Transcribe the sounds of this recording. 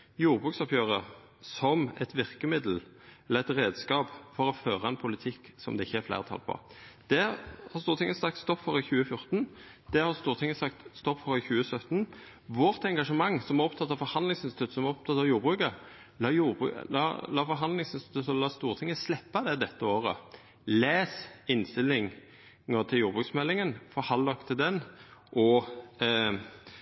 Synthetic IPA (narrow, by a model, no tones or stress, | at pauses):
juːʁbʁʉːksɑpjøːʁə | sɔmɛt̪ʋɪʁkəmɪd̪l̩ | ɛləɛt̪ɾeːd̪skɑːpfɔɾɔføːʁəɑɛnpʰʊlɪt̪ʰɪkːsɔ̰md̪ɛɪçːəɛflæ̰ɪʁət̪ʰɑ̰lpʰɔ̰d̪̥ɛhɑst̪uːɾʁt̪ʰɪŋːəsɑk̚t̪st̪ɔpfɔʁɪçʉːəfjʊʁt̪n | d̪̥ɛhɑʁst̪uːʁt̪ʰɪŋːəsɑkt̪st̪ɔpːfɔɾɪçʉːəsœt̪n | ʋɔʁt̪ɛŋɡɑʂəmɑŋːsɔmæɔpt̪ʰɑt̪ːɑʋfɔɾhɑnd̪lɪŋsɪnst̪ɪt̪ʰʉt̪sɔmɔp̚t̪ʰɑt̪ːɑʋjuːʁbʁʉːkə | lɑːjuːʁbʉ̰ɑ̰lɑːfɔɾɦɑnd̪lɪŋsɪnst̪ɪt̪ʉsɔlɑːst̪uːʁt̪ʰɪŋːəslɛpːɑd̪ɛd̪ɛt̪ːəoːʁə̰ | leːsɪnst̪ɪlːɪŋ | ŋət̪ʰɪljuːʁbʁʉːksmɛlːɪŋənfɔhɑlɔkt̪ʰɪld̪ɛnʔɔ